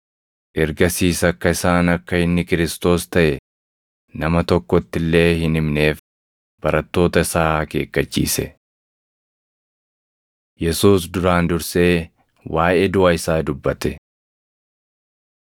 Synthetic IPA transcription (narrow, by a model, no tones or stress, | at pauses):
ʔɛɾɡɐsiːsɐkːɐɪsaːnɐkːɐɪnːɪkɪɾɪst̪o̞ːst̪ɐʔɛ | nɐmɐt̪ɔkːɔt̪ːɪlːe̞ːhɪnɪmne̞ːf | b̥ɐɾɐt̪ːo̞ːt̪ɐsaːke̞ːkːɐt͡ʃːḭːsɛ̰ | jɛsuːsd̪ʊɾaːnd̪ʊɾse̞ː | waːʔeːd̪ʊʔaɪsaːd̪ʊbːɐt̪ɛ